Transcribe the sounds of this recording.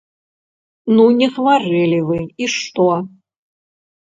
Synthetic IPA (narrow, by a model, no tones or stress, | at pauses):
nunʲɛxvarɛlʲɪvɨiʂt̪o